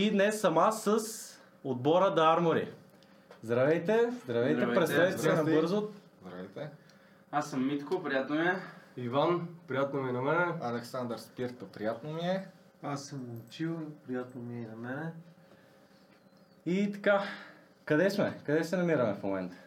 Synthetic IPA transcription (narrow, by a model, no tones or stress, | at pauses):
id̪nɛsːɐmasəs | od̪̚bɔɾəd̪ɐaɾmoɾḭ | zd̪ɾɐvɛjt̪ɛzd̪ɾɐvɛj̪ɛpɾɛt̪st̪avit̪ɛnɐbɤɾzo | zd̪ɾɐvɛjt̪ɛ | asəmːit̪kopɾijat̪nomiɛivanpɾijat̪nominɐmɛnɛɐlɛksand̪əɾspiɾt̪əpɾijat̪nomiɛ | asːəmt͡ʃivpɾijat̪nomiɛinɐmɛnɛ | it̪ɐ̥ka | kɐd̪ɛsmɛkɐd̪ɛʃt̪ɛnɐmiɾɐmɛfmomɛnt̪ə̥